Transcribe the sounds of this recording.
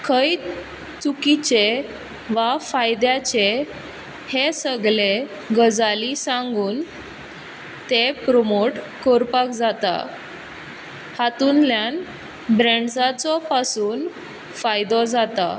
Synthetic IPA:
kʰəj | t͡sukit͡ɕe | ʋafajd̪jat͡ɕe | hesəɡle | ɡəd͡zalisãŋɡuːn | t̪epɾomoʈ | koɾpakd͡zat̪a̰ | hat̪unljan | bɾeɳɖsat͡sɔpasuːn | fajd̪ɔd͡zat̪a̰

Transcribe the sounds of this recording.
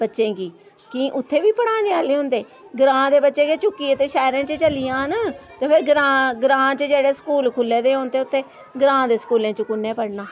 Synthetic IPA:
bətːʃẽːkiː | kĩːʔʊt̪ʰːeːʋiːpəɽãːneaːleːɦʊ̃nd̪eː | ɡɾãːd̪eːbətːʃẽːket͡ʃʊkːiːət̪eːʃɛːɾẽːt͡ʃət͡ʃəlijãːnaːt̪eːpʰɪɾɡɾaːɡɾãːt͡ʃəd͡ʒeːɽeːskuːlkʰʊlːeːd̪eːɦõnt̪eːʊt̪ʰːeː | ɡɾãːd̪eːsə̥kuːlẽːt͡ʃəkʊnːeːpəɽnaː

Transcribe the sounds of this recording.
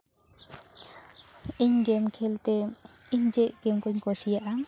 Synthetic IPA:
ʔiɲɡemkʰelt̪eiɲd͡ʒeʔɡ̥emkuɲkɔsijaʔa

